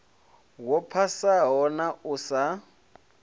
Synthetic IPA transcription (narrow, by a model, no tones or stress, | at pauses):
wɔpʰasaɦɔnaʊsa